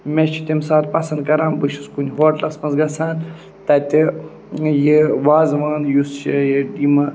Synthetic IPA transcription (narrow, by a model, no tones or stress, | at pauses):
met͡ʃʰi̥t̪emsaːt̪pɐsɐnd̪̚kɐɾaːmbɨʃuskunʲɦoːʈlɐsmɐnzɡɐsaːn | t̪ɐt̪ʲi | jiʋaːzʋaːnjust͡ʃijiɖimɐ